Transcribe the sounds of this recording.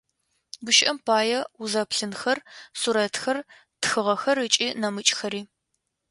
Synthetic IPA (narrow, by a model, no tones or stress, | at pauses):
bʊʃʔɐmpʰaːjɛʊzɐpɬɨnxɐrsuɾɐtxɐr | txɨʁɐxɐrɨt͡ʃʼiːnɐmɨt͡ʃʼxɐɾiː